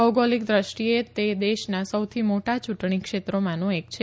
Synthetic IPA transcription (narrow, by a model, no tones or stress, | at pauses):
əɡolik̚d̪ɾəʃʈiet̪ed̪eʃnasəwt̪ʰimoʈat͡ʃuʈɳikʃet̪ɾomãnũek̚t͡ʃʰe